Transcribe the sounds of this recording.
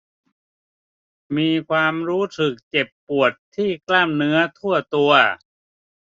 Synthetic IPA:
miː˧kʰwaː˧mɾuː˦˥sʰɯ˨˩k̚t͡ɕe˨˩pːu˨˩ət̪ʰːiː˥˩klaː˥˩mnɯ˦˥ɐt̪ʰu˥˩ɐt̪u˧ɐ

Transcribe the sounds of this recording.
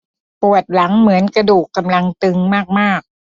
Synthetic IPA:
pu˨˩ət̪̚la˩˦ŋmɯ˩˦ənkɾa˧duː˨˩kːa˧mla˧ŋt̪ɯ˧ŋmaː˥˩k̚maː˥˩k̚

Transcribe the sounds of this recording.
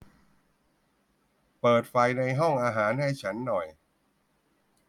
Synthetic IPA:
pɤː˨˩t̪̚fa˧jna˧jɦɔ˥˩ŋʔaː˧ɦaː˩˦nhɛ˥˩jt͡ɕʰa˦˥nːɔ˨˩j

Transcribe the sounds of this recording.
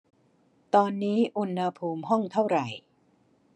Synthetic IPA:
t̪ɔː˧nːiː˦˥ʔu˧nha˧pʰuː˧mɦɔ˥˩ŋt̪ʰa˥˩wɾa˨˩j

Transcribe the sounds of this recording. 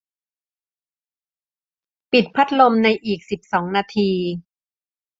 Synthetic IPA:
pi˨˩t̪̚pʰa˦˥t̪̚lo˧mna˧jʔiː˨˩k̚si˨˩p̚sɔː˩˦ŋnaː˧t̪ʰiː˧

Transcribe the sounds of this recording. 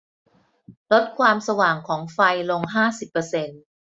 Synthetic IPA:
lo˦˥t̪̚kʰwaː˧msa˧waː˨˩ŋkʰɔː˩˦ŋfa˧jlo˧ŋɦaː˥˩si˨˩pːɤ˧se˧n

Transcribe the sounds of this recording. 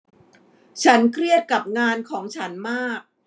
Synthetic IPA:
t͡ɕʰa˦˥nkʰɾi˥˩ət̪̚ka˨˩p̚ŋaː˧nkʰɔː˩˦ŋt͡ɕʰa˦˥nmaː˥˩k̚

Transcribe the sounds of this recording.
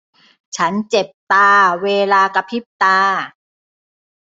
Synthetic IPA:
t͡ɕʰa˦˥nt͡ɕe˨˩p̚t̪aː˧weː˧laː˧ka˧pʰi˦˥˩p̚t̪aː˧

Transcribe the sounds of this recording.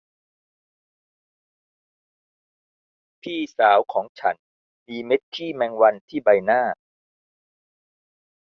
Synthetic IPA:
pʰiː˥˩saː˩˦wkʰɔː˩˦ŋt͡ɕʰa˦˥n | miː˧me˦˥t̪̚kʰiː˥˩mɛː˧ŋwa˧nt̪ʰiː˥˩ba˧jnaː˥˩

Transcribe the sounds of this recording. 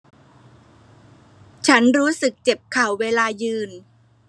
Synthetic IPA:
t͡ɕʰa˦˥nɾuː˦˥sɯ˨˩k̚t͡ɕe˨˩p̚kʰa˨˩wːeː˧laː˧jɯː˧n

